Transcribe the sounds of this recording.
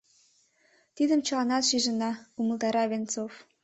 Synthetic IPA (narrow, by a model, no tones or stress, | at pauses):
t̪id̪əmt͡ɕɤ̆lɑnɑt̪ʃiʒə̆nɑumə̆lt̪ɑɾɑβʲent͡sof